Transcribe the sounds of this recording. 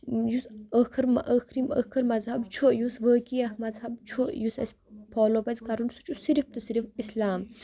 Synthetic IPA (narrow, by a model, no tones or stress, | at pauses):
jusəkʰɐɾmʔəkʰɾimə̰kʰɐɾmɐzhɐbt͡ʃʰoʔjusʋəːkiɐhmɐzɦɐb̚t͡ʃʰoʔjusɐ̰sʲ | pʰɔːlobɐzkɐɾunsu̥t͡ʃʰusiɾif̚t̪ɐsiɾifislaːm